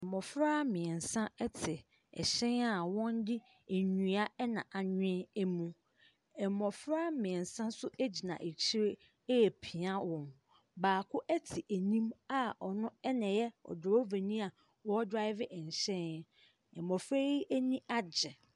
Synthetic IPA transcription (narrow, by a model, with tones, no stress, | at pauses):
ɛ˨mɔ˨fɾa˦mɪ̃˨n̩˨sã˦ɛ˦tʰɪ˨ | ɛ̰˨ɕɛ̃˦na˨wɔ̃˦n˦dɪ˦ | e˨ɲũ˨˦a˦ɛ˦nã˨ʔa˨ɲᶣɪ̃˦e˦mũ˨ | ɛ˨mɔ˨fɾa˦mɪ̃˨n˨sã˦n˦sʊ˦ʔæ˦d͡ʑi˨nã̰˨ʔe˨t͡ɕʰi˦ɾe˦˨ | pʰi˨ã˦wɔ̃˨n | baː˨kʰʊ˦ʔæ˦tʰɪ˨ʔæ˨nĩ˦ma˦ɔ˨nʊ̃˦ɛ˦nã˨jɛ˦ɔ̰˨dʊ˨ɾɔ˦ve˨nĩ˦a˨ | wɔ˦dɾa˦ɪ˦vɪ˦ʔɛ˨ɲ˨ɕɛ̃˦n˦ | ɛ˨mmɔ˨fɾe˦i˦ʔæ˦nĩ˦ʔa˦d͡ʑɛ˨